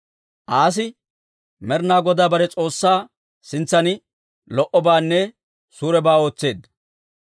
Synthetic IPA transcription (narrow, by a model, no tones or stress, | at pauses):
ʔaːs̬ɪ | mɛɾnaːɡɔd̪aːbɐɾɛt͡sʼo̞ːsːaː | sɪnt͡sːɐnɪ | lɔʔɔbaːnːɛ | suːɾɛbaːo̞ːt͡sːe̞ːd̪